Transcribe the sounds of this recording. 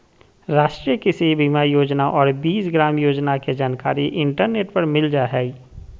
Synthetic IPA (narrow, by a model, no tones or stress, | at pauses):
ɾaːʃʈɾijəkisebimajoːd͡ʒnaʔɔːɾbiːsɡɾaːmjoːd͡ʒnaked͡ʒaːnkaːɾiʔɪɳʈəɾneːʈpɐɾmɪld͡ʒaːɦɛːi